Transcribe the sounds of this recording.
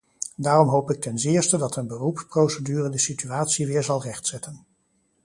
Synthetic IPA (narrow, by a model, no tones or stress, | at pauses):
daːrɔmɦowpɪk̚tɛnzɪːɹstədɑtənbərupprowsədyːrədəsityaːtsiʋɪːɹzɑlˠrɛχtsɛtʰən